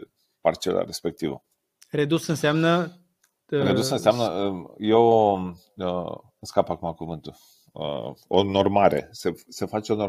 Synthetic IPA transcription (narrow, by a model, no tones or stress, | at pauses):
part͡ʃḛla̰ɾe̞spe̞k̚t̪ivə̰ | ɾed̪usɨnseamnə | ɾed̪usɨnseamnəəje̞w | ə | skapakumakuvɨnt̪ul̰ | ono̞rmaɾe̞̰sesefat͡ʃeo̞no̞